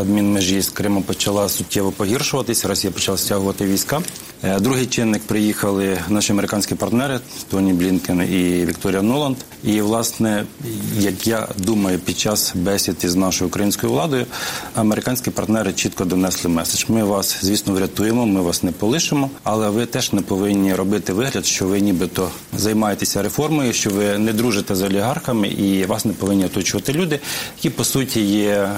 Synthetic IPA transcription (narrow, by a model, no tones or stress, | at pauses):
ɐd̪mʲinmɪʒiskɾɪmɐpɔt͡ʃɐlˠɑsʊtʲːɛʋɔpɔɦirʃʊʋɐt̪ɪsʲɐɾɔsʲijɐpɔt͡ʃɐlˠasʲtʲaɦʊʋɐt̪ɪʋʲijsʲkɑ | d̪ɾuɦɪjt͡ʃɪnːɪk̚pɾɪjixɐlˠɪnɑʃiɐmeɾɪkɑnʲsʲkʲipɐrt̪nɛɾɪt̪ɔnʲiblʲinkʲeniʋʲikt̪ɔɾʲijɐnɔlˠɐnd̪ | iʋlˠɑsnɛjɐkja̰d̪umɐjʊpʲid̪̚t͡ʃɑsbɛsʲit̪ʲiznɑʃɔjʊʊkɾɐjinʲsʲkɔjʊʋlˠɑd̪ɔjʊɐmeɾɪkɑnʲsʲkʲipɐrt̪nɛɾɪt͡ʃit̪kɔd̪ɔnɛslˠɪmɛse̥ʒ̥mɪʋɑszʲʋʲisnɔʋɾʲɐt̪ujemɔmɪʋɑsnɛpɔlˠɪʃɪmɔɐlˠɛʋɪt̪ɛʒ̥nɛpɔʋɪnʲːiɾɔbɪt̪ɪʋɪɦlʲɐd̪ʃt͡ʃɔʋɪnʲibɪt̪ɔ | zɐjmɑjet̪esʲɐɾefɔrmɔjʊʃt͡ʃɔʋɪnɛd̪ɾuʒet̪ɛzɐɔlʲiɦɑrxɐmɪ̰ʔiʋɑsnɛpɔʋɪnʲːiɔt̪ɔt͡ʃʊʋɐt̪ɪlʲud̪ɪjɐ̥kʲipɔsutʲijɛ